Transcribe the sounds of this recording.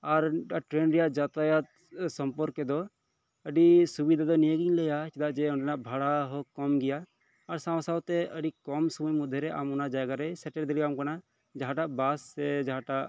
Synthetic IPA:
aɾaʈɾenɾɛjaʔd͡ʒat̪ajat̪̚ | sɔmpɔɾkɛd̪ɔ | əɖisubid̪ʱad̪ɔnijəɡiɲlɛjasɛd̪aʔd͡ʒɛɔɳɖɛnaʔbʱaɽaɦɔkɔmɡɛjaː | ɾsaw̃sawt̪ɛəɖikɔmsɔməjmud̪ʱːɛɾɛʔa̰mɔnad͡ʒajɡaɾɛsɛʈɛld̪ɛliamkana | d͡ʒaɦaʈaʔbasːɛd͡ʒaɦaʈaʔ

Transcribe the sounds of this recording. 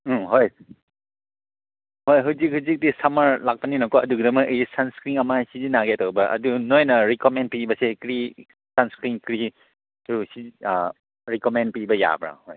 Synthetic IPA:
ɦoj | hojɦuzik̚ɦuzik̚disamaɾlak̚paninɐkɔɐduɡidɐmaʔɯjisanskɾiŋɐmasizinaɡeatawbɐʔɐ̰dunojnɐɾikomen̚pibɐsekɾi | sanskɾiŋkɾi | usi | ɾikomen̚pibɐja̰bɾa̰hoj

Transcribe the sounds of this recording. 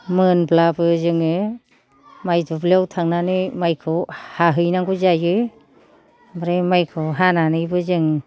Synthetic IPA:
mɯnblabɯzɯŋɯ | majdɔbleawtʰaŋnanɯmajkʰɯwhaɦɯjnaŋɡuzajɯ | bɾemajkʰɯwɦananɯjbɯzɯŋ

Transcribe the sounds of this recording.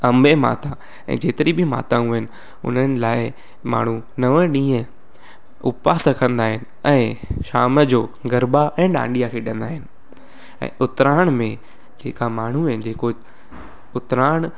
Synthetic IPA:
ɐ̃mbʱema̰ːt̪a | ɛ̰̃ːd͡ʑeːt̪ɪɾibɪma̰ːt̪ãũɦɪnɪ̆ | ʊ̰n̤ənɪ̆laːɪ | ma̰ːɳ̤u | nɐʋəɗĩːə̃ | ʊpaːsɐkʰə̃nd̪aːɦɪnɪ̆ɛ̃ːʃaːməd͡ʑoːɡɐɾbaʔɛ̃ːɗã̰ːɳɖijakʰeɗɐ̃nd̪aːɦɪnɪ̆ | ɛ̰̃ːʔʊt̪ɾaːɽ̃mẽ | d͡ʑḛːkamaːɳ̤uɪn̆d͡ʑeːko | ʊt̪ɾaːɽ̃

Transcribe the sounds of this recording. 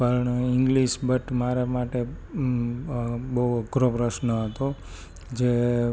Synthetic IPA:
pəɳiŋɡliʃbəʈmaɾemaʈe | bəɦuəɡʱɾopɾəʃnəɦət̪o | d͡ʒe

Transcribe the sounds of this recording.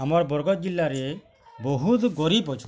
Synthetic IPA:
amɔɾbɔɾɡɔt̪̚d͡ʒilːaɾe | boɦut̪ɡɔɾipɔt͡ʃʰ

